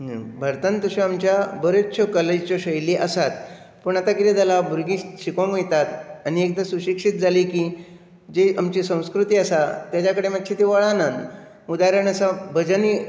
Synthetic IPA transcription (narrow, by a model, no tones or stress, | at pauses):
bʱəɾt̪ant̪əɕĩamt͡ɕjabəɾetːɕʰəkələjt͡ɕɔɕəjliʔəsat̪ | pəɳat̪akit̪ɛd͡zalabʱuɾɡĩɕikʋãŋɡʋejt̪at̪añiek̚d̪asuɕikʂit̪̚d͡zaliki | d͡ʑeʔamt͡ɕisə̃w̃skɾut̪iːasat̪jat͡ɕjakəɽemat̪ːɕʰit̪iʋaɭanan | ud̪aɾjaɳəsabʱəd͡ʑəni